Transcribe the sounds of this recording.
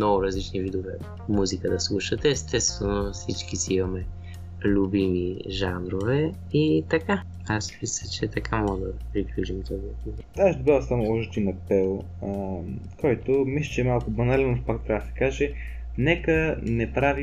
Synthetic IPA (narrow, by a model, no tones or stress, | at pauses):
mnɔɡʊɾɐzlit͡ʃnivid̪ovɛ | muzikəd̪ɐslˠuʃət̪ɛɛst̪ɛt̪st̪vɛnofsit͡ʃk̟isiimɐmɛ | lʲubimiʒanɾovɛ | it̪ɐka | aspisət͡ʃɛt̪ɐkamɔʒd̪ɐpɾiklʲut͡ʃimt̪ɔzik̪u | aʃd̪bavsamɔʒd̪inɐpɛlˠ | əkɔjt̪omislʲit͡ʃɛmalˠkʊbɐnalʲɛnofpak̚t̪ɾʲabd̪əsɛ̥kaʒɛ | nɛkənɛpɾavi